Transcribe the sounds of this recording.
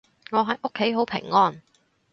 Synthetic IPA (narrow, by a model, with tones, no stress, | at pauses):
ŋɔː˨˧ɦɐ˨jʔo˥kʰːe˨˥jɦo˨˥wpʰɪ̰˨˩ŋːɔː˥n